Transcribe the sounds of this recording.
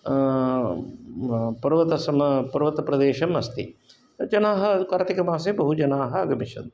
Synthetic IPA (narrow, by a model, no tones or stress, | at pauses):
pɐɾʋɐt̪ɐsɐmpɐɾʋɐt̪ɐpɾɐd̪eːʃɐmɐst̪ḭ | d͡ʒɐnaːɦɐkaːɾt̪ikɐmaːs̬ebɐɦud͡ʒɐnaːɦɐ̆ɐɡɐmiʃɐ̰d̪